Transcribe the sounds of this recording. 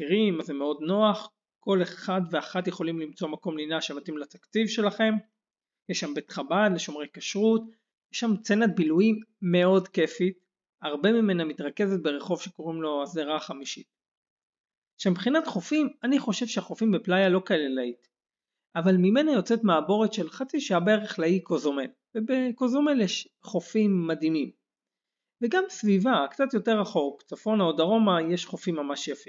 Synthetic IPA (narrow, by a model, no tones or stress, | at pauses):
kiʁimazemeo̞d̪no̞aχ | ko̞leχadveaχatjeχo̞limlimt͡so̞mako̞mlinaʃemat̪imlat̪akt͡sivʃe̞laχe̞m | jeʃːambe̞t̪χabadle̞ʃo̞mʁe̞jkaʃʁut | jeʃːamt͡se̞nat̚biluiːe̞o̞dke̞fit | aʁbe̞mime̞namitʁake̞zet̪̚be̞ʁeχo̞vʃe̞ko̞ʁimlo̞azeʁaχamiʃit̚ | ʃembχinatχo̞fimaniχo̞ʃe̞vʃeaχo̞fimbeplajalo̞kaelelait̪ | avalmime̞najo̞t͡set̪maːbo̞ʁet̪ʃe̞lχat͡siʃaabaeʁeχlaikozome̞l | vebe̞ko̞zome̞ljeʃ | χo̞fimːad̪imim | veɡamsvivakt͡sat̪jo̞te̞ʁaχo̞kt͡safo̞naod̪aʁo̞maje̞ʃχo̞fimːamaʃjafi